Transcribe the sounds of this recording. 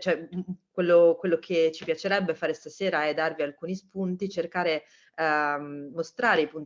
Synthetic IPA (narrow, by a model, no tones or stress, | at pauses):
t͡ʃoɛkwelːokwelːokʰet͡ʃːipjat͡ʃeɾɛbːefaːɾest̪aseːɾaɛd̪ːarvialkuːnispunt̪it͡ʃerkaːɾe | most̪ɾaːɾeipun